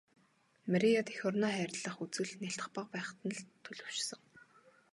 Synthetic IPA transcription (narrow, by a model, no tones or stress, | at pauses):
maɾʲiɔt̪ʰexʲɔrnɔːχæːrʲɮə̆χut͡sɘ̆ɮneɬt̪̆χpə̆q̚pæːχ̆t̪ə̆nɮt̪ʰɵɮɵ̆w̥ʃsɞ̆ŋ